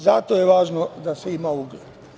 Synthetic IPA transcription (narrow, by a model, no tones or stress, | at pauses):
zat̪ojeʋaːʒnod̪aseimauɡled̪